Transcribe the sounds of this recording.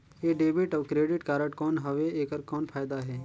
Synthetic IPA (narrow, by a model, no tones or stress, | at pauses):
jeːɖeːbɪʈɔːkɾeːɖɪʈkaːɾəʈkɔːnɦɐʋeeːkəɾkɔːnpʰaːjd̪aɦɛː